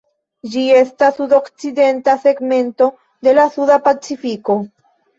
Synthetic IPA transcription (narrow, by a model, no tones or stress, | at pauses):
d͡ʒie̞stasudo̞kt͡side̞ntase̞ɡme̞nto̞ | de̞lasudapat͡sifiko̞